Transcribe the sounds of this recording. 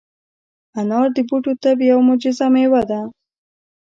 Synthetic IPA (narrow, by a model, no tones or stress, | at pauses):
anɑɾd̪əbuʈut̪abjawmʊd͡ʒɪzamewad̪a